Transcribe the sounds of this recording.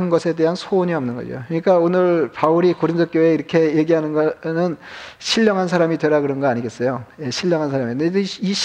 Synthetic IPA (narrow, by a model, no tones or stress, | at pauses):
nnɡʌsʰe̞de̞ɦansʰoːɲiʌmnɯnɡʌ̰d͡ʑo̰kɾɯɲik͈aonɯɭpauɾikoɾindʰok͈joeiɾʌkʰe̞je̞ɡiɦanɯnɡʌnɯnɕʰiʎːʌŋɦans̬ʰaɾamidweɾaɡɯɾʌnɡʌaɲiɡe̞s͈ʌjoje̞ɕʰiʎːʌŋɦansʰaɾamined͡ʑeiɕ